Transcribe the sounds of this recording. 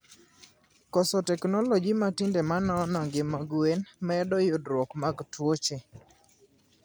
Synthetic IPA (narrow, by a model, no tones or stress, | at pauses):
kɔsɔtɛknɔlɔd͡ʒimatindemanɔnɔŋɡɪmaɡwenmaɛdɔjʊdɾwɔkmaɡtwot͡ʃe